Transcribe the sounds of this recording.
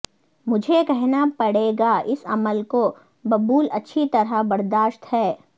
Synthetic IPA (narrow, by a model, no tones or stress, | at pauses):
mʊd͡ʒʱekɛɦnapɐɽ̤eːɡaɪsɐ̰məlko | bɐbuːlɐtːʃʰit̪ɐɾabɐɾd̪aːʃt̪ɦɛː